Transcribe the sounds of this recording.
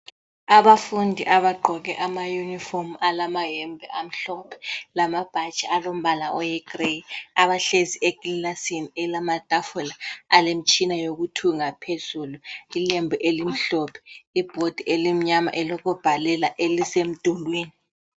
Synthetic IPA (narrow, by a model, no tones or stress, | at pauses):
aβafundʱiʔaβaɡ͡ǃʱɔɣɛʔamajunifɔmuʔalamaɦɛmbʱɛʔam̩ɬɔpʰɛ̥lamab̥ʱat͡ʃʼialom̩βalaʔɔjɛɡ̥reaβaɬeziʔeɡ̥illasinɛlamatʼafɔlaalem̩t͡ʃʼinajoɣutʰuŋapʰez̥uluilembʱiʔelim̩ɬɔpʰɛ̥ib̥ʱod̥ʱiʔelim̩ɲama̰ʔɛlɔkʰɔb̥ʱalɛlaʔelisem̩d̥ʱulweːni